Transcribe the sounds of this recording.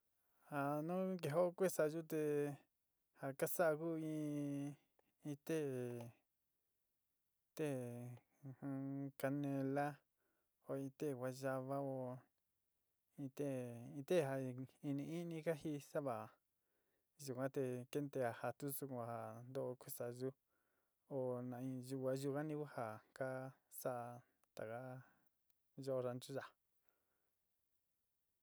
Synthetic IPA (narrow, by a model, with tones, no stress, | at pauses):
ha˧˨nũ˦k̬e˧˨ɦo˦˧kʷe˦sa˧˨˧ʒu˦t̪e˧ | ha˧ka˦sa˦ʔku˦ĩ˧ | ĩ˧t̪e˦˨ | t̪e˦˨ | hũ˧ka˧nẽ˧la˦ | o˧˨ĩ˧t̪e˦˨wʷa˧ʒa˧βa˦o˧ | ĩ˧t̪e˦˨ĩ˧t̪e˦˨ɦa˧i˧nĩ˧i˦nĩ˧˦ka˦ɦi˧sa˦βa˨ | ʒu˨kʷã˦t̪e˧ke˦nt̪e˧a˨ha˧t̪u˦su˧ku˧a˨ha˨nd̪o˦ʔku˦sa˨ʒu˦ | o˨nã˨ĩ˧ʒu˧kʷa˧ʒu˧ka˦nĩ˧ku˦ha˨ka˦sa˦ʔ | t̪a˨ka˦ | ʒo˦˧ɾa˧nt͡ʃu˦ʒa˨